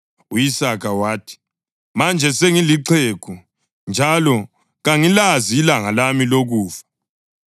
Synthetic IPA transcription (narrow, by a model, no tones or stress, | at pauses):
uisakʰawaːtʰi̥ | mand͡ʒʱɛseŋiliǀʰeːkʰu | nd͡ʒʱalɔ | ɣaŋilaziːlaŋalamiloɣuːfḁ